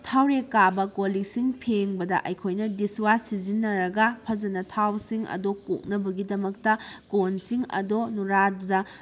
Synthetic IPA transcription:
tʰawɾekːabɐkoliksiŋpʰeŋbɐdɐ̰ʔɐjkʰojnɐdiswasizinːɐɾɐɡɐpʰɐzɐnɐtʰawsiŋɐ̰doko̰k̚nɐbɐɡidɐmɐk̚tɐkonsiŋɐ̰donuɾadudɐ

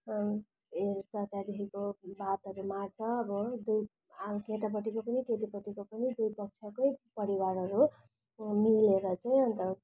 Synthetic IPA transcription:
eɾsʌt̪jad̪eɦikobat̪ʌɾumart͡sʰʌːbʌd̪u | keʈap̬ʌʈikopʌnikeʈ̪ipʌʈikopʌnid̪ujpʌk̚t͡sʰʌkʌjpʌɾiwaɾɦʌɾu | mileɾʌt͡saj̃ʌnt̪ʌ

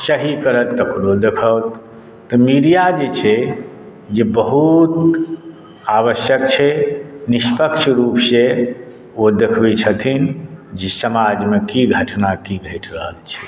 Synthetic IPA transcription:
səɦikəɾət̪ːəkɾod̪ekʰət̪ː | ɔmiɾijad͡ʒet͡ʃʰɛ | d͡ʒebəɦut̪ | aβəsjək̚t͡ʃʰɛnispəkt͡ʃʰɾupse | od̪ekʰbit͡ʃʰət̪ʰind͡ʒesəmad͡ʒmekiɡʱəʈʰnakiɡʱəʈʰɾəɦəlt͡ʃʰɛ̥

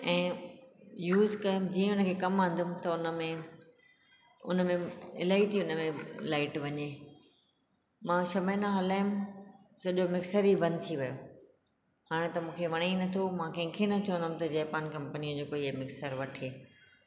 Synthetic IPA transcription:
ɛ̃ː | juːzkɐjʊmd͡ʑiːə̃ʊnə̆kʰeːkɐmãːn̆d̪ʊmt̪ɐʊnmẽ | ʊ̰nə̆mẽɪ̰laːit̪ʰiʊnəmẽlaːɪʈʋɐɲeː | mãːʃɐmeːnaɦɐlaːɪʊm | sɐʄomɪksəɾibɐ̃nd̪̚t̪ʰiʋɐjo | ɦaːɽ̃ẽt̪ɐmũːkʰeʋɐɽ̃enɐt̪ʰomãkɐ̃ɦɪ̃kʰenɐt͡ɕɐʋə̃nd̪ʊm̆t̪ɐd͡ʑɐːpaːnkɐ̃mpəniod͡ʑoːkoiemɪksəɾʋɐʈʰeː

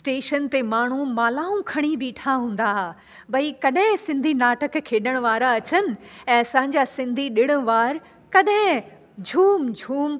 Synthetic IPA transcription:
sʈeːʃənt̪emaːɳ̤umaːlaːũkʰɐɽ̃ibʱiːʈʰaɦũːn̆d̪aɦa | bʱɐikɐɗɦɪ̃sɪ̃nd̪ʱinaːʈəkkʰːeːɗəɽ̃ʋaːɾaɐt͡ɕənɪ̆ɛ̃ːɐsãːɲ̆d͡ʑasɪ̃nd̪ʱiɗɪɽ̃ə̃̆ʋaːɾ | kɐɗɦɪ̃ | d͡ʑʱuːmd͡ʑʱuːm

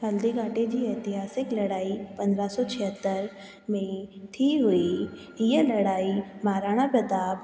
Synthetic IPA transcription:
ɦəld̪iɡaʈed͡ʑiːɐjt̪iɦaːsɪklɐɽaːipə̃nd̪ɾasɔt͡ɕʰiɦət̪ːəɾ | mẽt̪ʰiːɦui | jəlɐɽaimaːɾaɽ̃abəd̪aːb

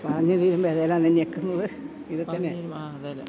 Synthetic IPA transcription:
pɐrɐɲːɐt̪iːɾumbeːðelamːnːeɲekːunːɐðɨ | iðɨt̪ːɐnːe

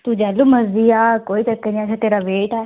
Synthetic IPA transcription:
t̪uːd͡ʒɛːluːməziːaːkoːit̪əkːenĩat͡ʃʰat̪eːɾaːʋeːʈɛː

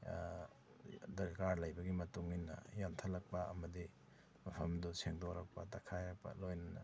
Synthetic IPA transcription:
dɐɾkaɾlɐjbɐɡimɐtuŋinːɐ̰jamtʰɐlɐk̚pɐɐmɐdi | mɐpʰɐmdɔseŋdoɾɐk̚pɐtɐkʰajɾɐk̚pɐ̰lojnɐnɐ̰

